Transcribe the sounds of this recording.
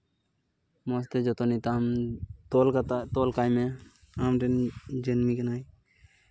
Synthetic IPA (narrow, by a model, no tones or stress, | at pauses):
mɔs̬t̪ed͡ʒɔt̪ɔnit̪amt̪ɔlk̪t̪ɔlkajme | amɾend͡ʒenmiknaj